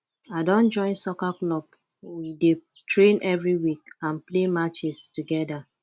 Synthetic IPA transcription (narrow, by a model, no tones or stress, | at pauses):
aɪdɔ̃nd͡ʒɔ̃ɪ̃nsɔkaklɔb | wide | tʰɹẽnʔɛvɹiwik̚ãnplemat͡ʃɛstuɡɛda